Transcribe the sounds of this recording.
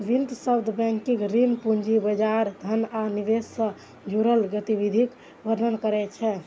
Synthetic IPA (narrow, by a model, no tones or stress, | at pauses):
ʋint̪səbd̪ʱbɛ̃ŋkikɾinpund͡ʒibəd͡ʒaɾd̪ʱənaniʋesːə̃ | d͡ʒuɾəlɡət̪iβid̪ʱik | ʋəɾnənkəɾɛt͡ʃʰɛ